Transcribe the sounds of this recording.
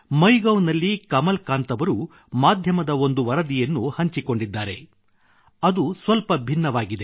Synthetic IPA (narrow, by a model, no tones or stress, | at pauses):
mɐjɡɐwnɐlːikɐmɐlkaːnt̪ɐʋɐɾu | maːd̪ʱjɐmɐd̪ɐo̞nd̪uʋɐɾɐd̪ijɐnːuhɐɲt͡ʃiko̞ɳɖid̪ːaːɾe̞̰ | ɐd̪usʋɐlpɐbʱinːɐʋaːɡid̪e̞